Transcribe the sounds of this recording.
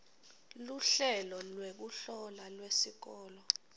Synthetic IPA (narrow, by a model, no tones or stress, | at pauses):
luɬɛlɔlwek̬uɬɔlalwesik̬ɔːlɔ